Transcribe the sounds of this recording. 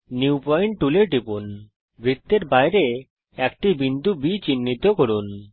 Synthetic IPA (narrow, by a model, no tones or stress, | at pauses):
niupɔjɳʈʈuleʈipun | bɾit̪ːeɾbajɾe | ɛk̚ʈibind̪ʱubit͡ɕinːit̪okoɾun